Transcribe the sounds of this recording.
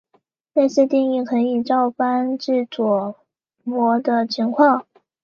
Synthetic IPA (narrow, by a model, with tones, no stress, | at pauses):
ne˥˧ɪɕjɛ˥t̪i˥˧ŋi˥˩kʰɤ˧˥ni˨˩ʈ͡ʂɑ˥˩ʊpa˥nʈ͡ʂɻ̩˥˩t͡swɔ˨˩ | mwɔ˧˥d̪ə˧t͡ɕʰi˧˥ŋkʰwɑ˥˩ŋ